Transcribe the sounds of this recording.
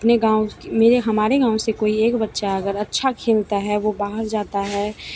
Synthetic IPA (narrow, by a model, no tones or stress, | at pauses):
ɐpneɡãːõkmeːɾeɦɐmaːɾeɡãːõsekoːieːkbətːʃaɐɡəɾɐtːʃʰakʰeːlt̪aɦɛʋobaːɦəɾd͡ʒaːt̪aɦɛː